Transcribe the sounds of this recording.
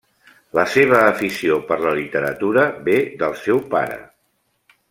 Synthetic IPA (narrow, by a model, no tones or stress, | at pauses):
ləseβ̞əːfisiopəɾləlit̪əɾət̪uɾəbeðəlˠsɛwpa̰ɾə̰